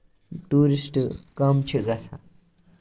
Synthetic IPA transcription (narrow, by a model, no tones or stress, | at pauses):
t̪uɾisʈkʌmt͡ʃʰuɡat͡sʰã̰